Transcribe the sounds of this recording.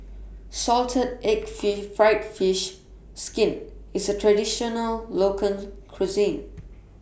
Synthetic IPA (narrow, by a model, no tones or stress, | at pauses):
sɔltʰədɛkfɪfɹaɪtfɪʃ | skɪ̃nɪsətʰɹadiʃɔnəllokʰə̃nkʰɹuzĩn